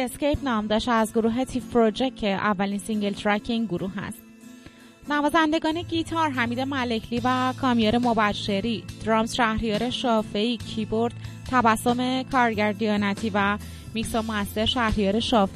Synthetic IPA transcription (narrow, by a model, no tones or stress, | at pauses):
e̞sce̞jpnɒːmd̪ɒːʃt̪æzɡoɾuːɦe̞t̪ʰifpɾod͡ʒe̞cʰːeʔævːæliːnsiŋɟelt̪ʰɾæcʰːiiŋɡoɾuːɦæ̰st̪̚ | nævɒːzænd̪e̞ɡɒːne̞ɟit̪ʰɒɾɦæmiːd̪e̞mæle̞cʰliːvækʰɒːmijɒːɾe̞mobæʃːe̞ɾiːd̪̥ɾɒːmzʃæhɾijɒːɾe̞ʃɒːfeiːcʰiboɾd̪̥t̪ʰævæsːo̞me̞kʰɒːɾɟæɾd̪ijɒːnæt̪ʰiːvæ | miksomoæst̪e̞ɾʃæhɾijɒːɾe̞ʃɒːf